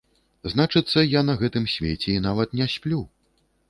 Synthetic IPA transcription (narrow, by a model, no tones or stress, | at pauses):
znat͡ʂɨt̪sːɐjanɐɣɛt̪ɨmsʲvʲet͡sʲɛinavɐt̪nʲasʲpʲlʲu